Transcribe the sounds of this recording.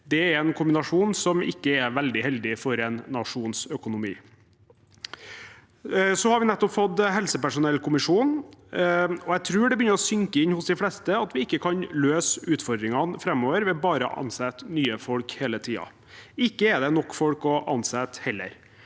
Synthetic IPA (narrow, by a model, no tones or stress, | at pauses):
d̪ɛæɾɛnkʰʊmbɪnɑʂuːnsɔmɪ̰kːəɛʋɛld̪ɪhɛld̪ɪfɔɾɛnːɑʂuːnsœkʊnʊmḭː | sɔhɑɾʋɪnɛt̪ːɔpfɔt̪ːɦɛlsəpæʂʊnɛlːkʰʊmɪʂuːn | ɔæɪt̪ʰɾʉːɖɛbəjʏnːəɾɔsʏŋkəɪɲːhʊsd̪ɪflɛst̪əɑt̪ʋɪɪkːəkʰɑnløːsʉːt̪fɔɾd̪ɾɪŋɑnfɾɛmːoːʋəɾʋɛbɑːɾə̰ʔɑ̰nsɛt̪nyːəfɔlkheːlət̪ʰiːɑ̰ | ɪkːəɛd̪ɛnɔkːfɔlkɔʔɑ̰nsɛt̪hɛlːə̰ɾ